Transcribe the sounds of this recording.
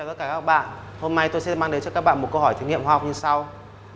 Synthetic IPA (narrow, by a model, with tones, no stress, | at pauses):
t̪t̚kaː˧˩kaː˦˥˦k̚ɓa̰ː˧˨n | ho˧mna˧jt̪o˧jsɛ˧˥maː˧ŋɗe˨˦nt͡ɕɔ˧kaː˦˥k̚ɓa̰ː˧˨mo˨˩t̚kə˧wɦɔ˧˩t̪ʰŋḭ˧˨əmhwaː˧hɔ˨˩k͡p̚ɲɨ˧sa˧w